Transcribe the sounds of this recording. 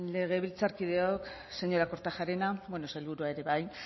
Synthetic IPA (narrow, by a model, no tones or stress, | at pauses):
le̞ɣ̞e̞βilt͡saɾkið̞e̞ok | se̞ɲo̞ɾako̞ɾt̪aʝaɾe̞nabwenoselβuɾuae̞ɾe̞βaj